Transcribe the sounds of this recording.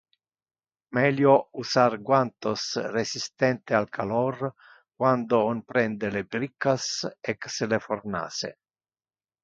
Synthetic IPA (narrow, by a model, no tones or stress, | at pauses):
mɛljousarɡwant̪osresist̪ɛnt̪ealkʰalɔr | kwand̪oonpɾɛnd̪elebɾikːasɛkseleforna̰ːsḛ